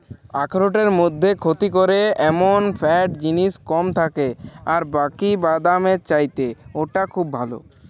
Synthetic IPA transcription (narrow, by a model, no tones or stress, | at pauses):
akʰɾoʈeɾmod̪ʱːekʰot̪ikoɾeɛmonpʰɛʈd͡ʑiniskɔmt̪ʰakeaɾbakibad̪amet͡ʃajt̪eoʈakʰubːʱalo̰